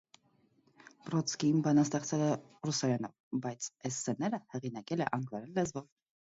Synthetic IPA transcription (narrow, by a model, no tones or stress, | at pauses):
prɔt͡sʰkiimbɑnɑst̪ɛχt͡sʰɛlɛrusɑɾɛnɔ̰vbɑjt͡sʰɛsːɛnɛɾəhɛʁinɑkɛlɛʔɑŋɡvɑɾɛnlɛzvɔv